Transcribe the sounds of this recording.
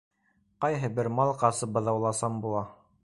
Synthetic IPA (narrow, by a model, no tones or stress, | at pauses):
qɑjɦɤbɘɾmɑlˠqɑsɤbɤ̆ðɑwlˠɑsɑmbulˠɑ